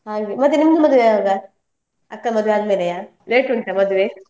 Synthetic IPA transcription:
ɦaːɡemɐt̪ːenimd̪umɐd̪uʋeaːɡa | ɐkːɐmɐd̪uʋeaːɡmelejaː | leːʈuɳʈɐmɐd̪uʋe

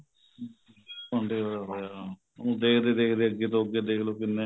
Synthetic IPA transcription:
poɳɖeːoaɦoːja | onũːd̪eːkʰd̪eːd̪eːkʰd̪eːəɡeːt̪õoɡeːd̪eːkʰloːkɪnːẽː

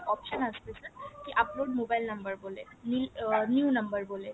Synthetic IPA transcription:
ɔpʃənəst̪esəɾkiʔəploɖmobajlnəmbəɾbole | nilnjunəmbəɾbole

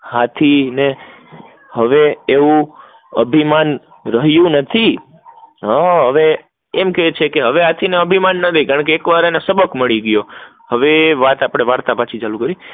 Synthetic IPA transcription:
hat̪ʰine | həʋeeʋũ | əbʱiman | ɾəɦjũnət̪ʰi | ɦaɦəʋe | emket͡ʃʰekeɦəʋeɦat̪ʰineəbʱimanːət̪ʰikaɳ̃k̬eːkʋaɾenesəbəkməɭiɡjo | həʋeʋat̪apəɽ̃eʋaɾt̪apãt͡ʃʰit͡ʃalũkəɾi

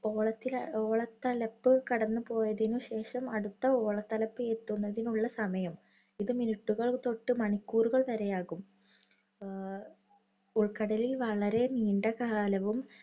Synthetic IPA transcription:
oːɭɐt̪ːilo̞ːɭɐt̪ːɐlɐpːɨkɐɽɐnːɨpo̞ːjɐðinuɕe̞ːʂɐmɐɽut̪ːɐo̞ːɭɐt̪ːɐlɐpːɨet̪ːunːɐðinuɭːɐsɐmɐjɐm | iðɨminiʈːuɣɐɭt̪o̞ʈːɨmɐɳikʲːuːruɣɐɭʋɐɾejaːɣum | uɭkɐɽɐlilʋɐɭɐɾe̞niːɳɖɐkaːlɐʋum

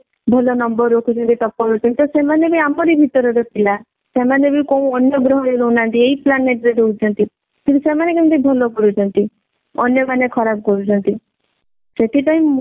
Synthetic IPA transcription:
bʱɔlɔnɔmbɔɾːokʰut͡ʃʰɔnt̪it̪ɔpːɔɾot͡ʃʰɔnt̪it̪ɔsemanebʱiamɔɾibʱit̪ɔɾɔɾɔkʰila | semanebʱikoũɔnjɔɡɾɔɦɔɾeɾoũnant̪ieɦiplaneʈɾeɾokut͡ʃʰɔnt̪i | kʰĩtusemanekɔ̃t̪ibʱɔlɔkɔɾut͡ʃʰɔnt̪i | ɔ̰njɔmanekʰɔɾabɔkɔɾut͡ʃʰɔnt̪i | set̪ʰipaĩ

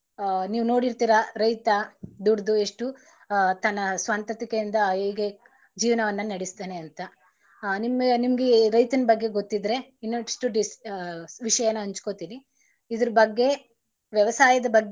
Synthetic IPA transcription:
niːʋuno̞ːɽiɾt̪iːɾɐɾɐjt̪ɐd̪uɽd̪ue̞ʂʈu | t̪ɐnːɐsʋɐnt̪ɐt̪ikejind̪ɐɡe | d͡ʒiːʋɐnɐʋɐnːɐnɐɽist̪aːneɐnt̪ɐ | nimnimɐɡeɾɐjt̪ɐnɐbɐɡːe̞ɡot̪ːid̪ɾe̞inːoʂʈuɖisʋiʂɐjɐnːɐɦɐɲt͡ʃko̞ːt̪iːni | id̪ɐɾɐbɐɡːe̞ | ʋjɛʋɐsaːjɐd̪ɐbɐɡː

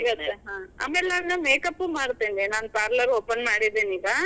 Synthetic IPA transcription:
ɡɐt̪ːeɦãːɐ̰melːaːnːɐmeːkɐpːɯmaːɽɯt̪ːeːnd̪eːnaːnpaːɾlɐɾoːpːɐnmaːɽiðeːniːɡaː

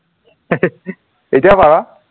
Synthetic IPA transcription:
ejtijapaɹa

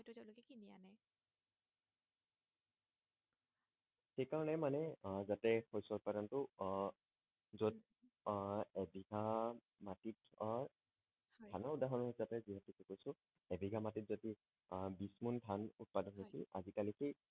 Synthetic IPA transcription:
tʊzalkinianɛ | xejkaɹɔnɛmanɛzatɛhojsɔʊt̚padɔntʊ | zod | ebʱiɡʱa | matit | tʰanɔʊdaɦɔnɔɦizapɛziɦatikikojsʊ | ɛbʱiɡʱamatit̚zoti | bismuntʰanʊt̚padɔnɦojsiʔazikalikʰi

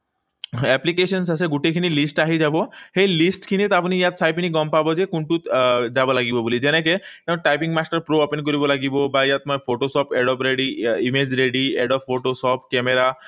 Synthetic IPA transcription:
ɛplik̬esɔns̬aseɡuʈekʰinilisʈaɦid͡ʒabɔhejlisʈkʰiñit̪apɔnijat̪sʰajpiniɡɔmpabɔd͡ʒekuɳʈut̪d͡ʒabɔlaɡibɔbolid͡ʑenek̬et̪ew̃ʈajpiŋɡmasʈəɾpɾoɔpenk̬ɔɾibɔlaɡibɔbajat̪mɔepʰoʈosɔpeɖɔpɾeɽiimed͡ʑɾeɽiḛɖɔbʰoʈosɔpkɛmeɾa

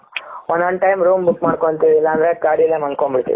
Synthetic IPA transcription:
ɔnd̪ɦɐɳʈɐjmɾuːmbukmaːɽkoɳt̪iʋiilːaːnd̪ɾekaːɽjɐlːemɐnkoɳbiɽt̪ḭʋi

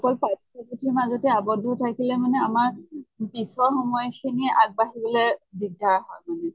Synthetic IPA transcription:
ɔkɔlpatsɔkutʰimazɔtɛabɔdʱːɔtʰakilɛmanɛamaɹpisɔxɔmɔjxiniɛʔaɡ̚baɦibɔlɛdiɡ̚dʱaɹɦɔjmanɛ

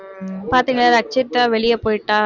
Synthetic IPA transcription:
paːɾt̪iːŋɡɐɭːaɾɐk̚t͡ʃɐɾt̪ːaːʋɛɭɪjɐpoːjɪʈːaː

